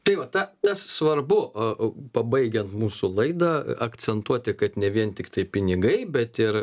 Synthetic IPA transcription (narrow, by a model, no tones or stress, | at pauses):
t̪ɐɪʋɐt̪ɐt̪ɐssʋɐrbʊpɐbɐɪɡʲɛnt̪muːsʊlˠɐɪd̪ɑːɐkt͡ssʲɛnt̪uɔt̪ʲɪkɐt̪nʲɛʋʲiɛnt̪ʲɪkt̪ɐɪpʲɪnʲɪɡɐɪbʲɛt̪ɪr